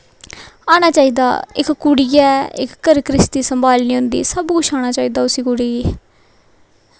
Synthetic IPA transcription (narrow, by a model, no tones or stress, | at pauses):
aːɽ̃aːt͡ʃaːiːd̪a̰ːɪkkuɽijɛːɪ̰kːəɾkɾɪst̪iːsəmbʱaːlniːɦʊ̃nd̪ḭːsəbkʊt͡ʃʰaːñaːt͡ʃaːiːd̪aːʊsiːkuɽiːeː